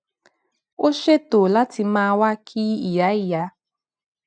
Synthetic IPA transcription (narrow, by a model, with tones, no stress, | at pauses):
o˦ʃe˦to˨la˦ti˨ma˦wa˦kʰi˦i˨ja˦i˦ja˦